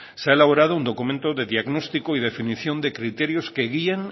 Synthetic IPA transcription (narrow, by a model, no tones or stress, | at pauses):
seaelaβ̞oɾað̞ound̪o̞kumẽnt̪oðe̞ðiaɣnost̪ikoið̞e̞finiθjo̞nd̪ekɾit̪eɾjoskeɣieŋ